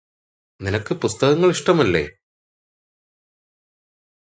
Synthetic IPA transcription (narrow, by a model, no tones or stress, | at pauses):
ninɐkːɨpust̪ɐɣɐŋːɐɭiʂʈɐmɐlːe̞̰